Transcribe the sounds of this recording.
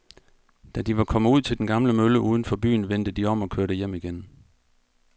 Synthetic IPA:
d̥æd̥iʋɑ̈kʰɒ̽məuð̰ˠt͡sʰe̝ld̥enɡ̥ɑ̈mləmøləʔuːð̞ˠn̩fɒ̽b̥y̰ːn̩ʋen̰d̥əd̥iɒ̽m̰ɒ̽kʰøɐɾəjem̰iɡ̥en

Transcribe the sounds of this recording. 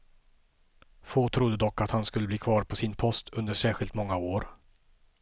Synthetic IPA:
foːt̪ʰɾʊd̪ːəd̪ɔkːat̪hanskɵlːəbliːkʰvɑːɾpʰɔsɪnpʰɔst̪ʰɵnd̪əʂæːɾɧɪlt̪mɔŋːaoːɾ

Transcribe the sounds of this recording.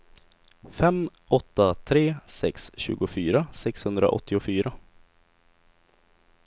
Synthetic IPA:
fɛmʔɔt̪ːat̪ʰɾeːsɛksɕʉ̰ːɡʊfyːɾasɛkshɵnd̪ɾa̰ʔɔ̰t̪ʰːɪʊfyːɾa

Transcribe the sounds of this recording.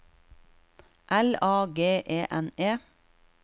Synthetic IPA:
ʔɛlɑːɡeːʔeːʔɛneː

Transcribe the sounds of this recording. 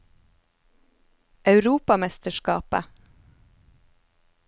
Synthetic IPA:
ʔɑʉɾuːpɑmɛst̪əʃkɑ̰ːpə̰

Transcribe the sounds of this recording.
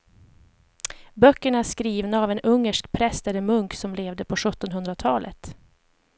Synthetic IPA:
bœkːəɳaæʂkɾiːvnaːvɛnɵŋːəʂkpʰɾɛst̪ɛɾəmɵŋksɔmleːvd̪əpʰɔɧɵt̪ːɔnɦɵnd̪ɾat̪ʰɑːlʔə̰t̪

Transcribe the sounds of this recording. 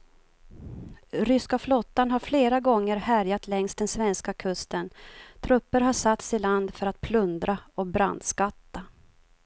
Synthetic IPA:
ɾʏskaflɔt̪ːanɦaɾfleːɾaɡɔŋːəɾhæɾjat̪ʰlɛŋst̪d̪ɛnsvɛnskakʰɵst̪ənt̪ʰɾɵpːəɾɦaʂat̪sɪland̪fœɾat̪̚pʰlɵnd̪ɾaɔbɾa̰nd̪skat̪ːa

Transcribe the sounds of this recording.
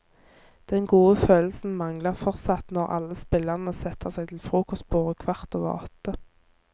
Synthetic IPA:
d̪̥ɛnɡuːəføːll̩sn̩mɑŋləʁfɔʁt̪sɑt̪nɔʁɑ̰lːəspɪləʁnəsɛt̪ʰəʁsæɪt̪ʰɪlfʁuːkɔst̪̚b̥oːd̪əkʰʋɑʁt̪oːʋə̰ʁɔ̰t̪ə

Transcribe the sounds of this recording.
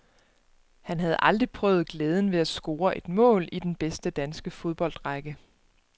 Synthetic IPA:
hænɦæð̞̩ˠʔɑ̈ld̥ʁipʰʁœ̰ːʊð̞̩ˠɡ̥leːð̞ˠən̩ʋe̝æsɡ̥o̝ːɐʔe̝d̥mɔ̰̽ːlid̥enb̥esd̥əd̥ænsɡ̥əfo̝ð̞ˠb̥ɒ̽l̰d̥ʁɑɡ̥ə

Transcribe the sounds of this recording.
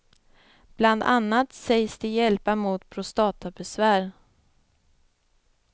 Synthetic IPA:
b̥land̪ʔa̰nːat̪sɛjsd̪ɪjɛlpamuːt̪pʰɾʊst̪ɑːt̪abɛsvæːɾ

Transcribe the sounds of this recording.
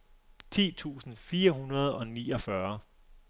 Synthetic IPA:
t͡sʰḭːt͡sʰṵːsn̩fiːɐɦunɐð̞̩ˠɒ̽nḭːɒ̽fɶɐ

